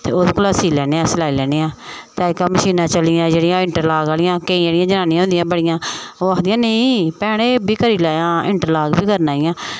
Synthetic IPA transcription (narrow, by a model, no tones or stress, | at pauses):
t̪ḛːod̪kʊlaːsiːlɛːneːãːsəlaːilɛːneːãːt̪aːɪkaːməʃiːnãːt͡ʃəlɪjãːd͡ʒeːɽɪjãːɪɳʈəɾlaːɡaːlɪjãːkəĩːd͡ʒeːɽɪjãːd͡ʒənaːnjãõːnd̪ɪjãːbəɽɪjãːoːakʰd̪ijãːnəĩːpɛːɽ̃eːbiːkəɾiːlaːjãːɪ̰ɳʈəɾlaːɡbiːkəɾnaːɪjãː